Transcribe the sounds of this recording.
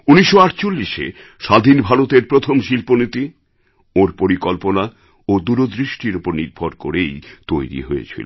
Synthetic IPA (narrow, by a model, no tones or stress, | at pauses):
uniʃːoaʈt͡ɕolːiʃḛ | ʃad̪ʱinbʱaɾot̪eɾpɾot̪ʰomʃilponit̪i | oɾpoɾikɔlpona | od̪uɾod̪ɾiʃʈiɾupoɾniɾbʱoɾkoɾejt̪ojɾḭɦojḛt͡ɕʰḭlo